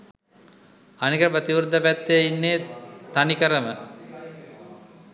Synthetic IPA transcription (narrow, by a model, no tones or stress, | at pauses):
anikəəpət̪iʋuɾd̪əpæt̪ːejinːeːt̪anikəɾəmə